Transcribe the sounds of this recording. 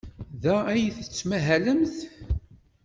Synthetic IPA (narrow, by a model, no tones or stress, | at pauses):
ðææjθət͡sːmæɦæləmθ